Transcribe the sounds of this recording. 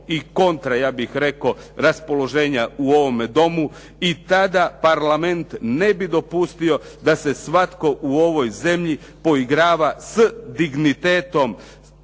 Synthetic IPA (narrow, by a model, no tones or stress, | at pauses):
iko̞nt̪ɾajaːbixɾe̞ko̞ | ɾaspo̞lo̞ʒe̞ːɲauo̞ʋo̞med̪o̞mu | it̪ad̪apaɾlame̞nt̪ne̞bid̪o̞pust̪io̞ | d̪ase̞sʋat̪ko̞ʔuo̞ʋo̞jze̞mʎi | po̞iɡɾaːʋasd̪iɡnit̪e̞ːt̪o̞m